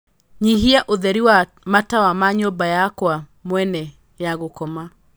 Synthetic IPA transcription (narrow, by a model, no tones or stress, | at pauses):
ɲiɦiaʔoðɛɾiwa | matawamaɲɔbajakwamwɛnɛ | jaɣokɔma